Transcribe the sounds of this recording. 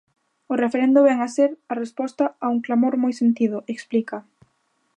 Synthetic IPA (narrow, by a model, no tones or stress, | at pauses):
ʊrefeɾẽnd̪ʊβɛŋaseɾarespɔst̪ɐauŋklamoɾmojsent̪ið̞ʊʔeksplikɐ